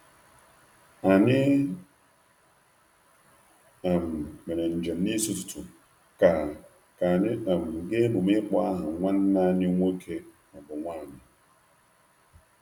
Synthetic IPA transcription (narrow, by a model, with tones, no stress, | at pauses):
a˨nɪ˦ | a˨m˨me˨ne˨n̩˨d͡ʒe˨m˦ni˦su˦tʊ̥˨tʊ̰˨ | ka˨ | ka˨nɪ˦a˨m̩˨ɡe˦bʊ˨me˦k͡pɔ˦a˦ɦa˨ŋʷa˦n˦na˦nɪ˦ŋʷo˦kʰe˦na˨bʊ˨ŋʷa˦˨nɪ˨